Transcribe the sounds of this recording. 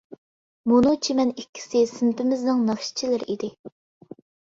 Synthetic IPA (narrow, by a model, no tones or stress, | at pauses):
munut͡ʃʰimɛnikʲʰːi̥sɪsɪmpɪmɪznɪŋnɑχʃi̥t͡ʃʰilɪɾʔid̪ɪ